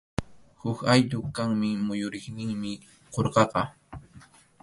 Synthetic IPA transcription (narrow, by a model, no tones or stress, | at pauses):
hʊkajt̪ʊkaŋmɪmʊjʊɾɪχnɪŋmɪ | qoɾqɑqɑ